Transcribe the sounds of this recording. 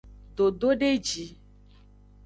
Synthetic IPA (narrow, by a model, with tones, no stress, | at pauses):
ɖo˨ɖo˦ɖe˦d͡ʒi˨˦